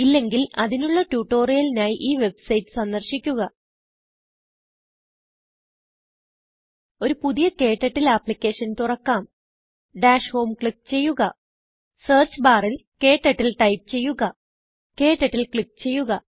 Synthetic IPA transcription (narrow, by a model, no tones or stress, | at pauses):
ilːe̞ŋɡilɐðinuɭːɐʈjuːʈːo̞ːrijɐlinaːjiʔiːʋe̞bsɐjʈːɨ̥sɐnd̪ɐrɕikʲːuɣɐ | o̞ɾupuðijɐke̞ːʈːɐʈːilɐpːlikʲːe̞ːʂɐnt̪urɐkːaːm | ɖaːʂho̞ːmkɭik̚ːt͡ɕe̞jːuɣɐ | seːrt͡ɕbaːrilke̞ːʈːɐʈːilʈɐjp̚t͡ɕe̞jːuɣɐ | ke̞ːʈːɐʈːilkɭik̚ːt͡ɕe̞jːuɣɐ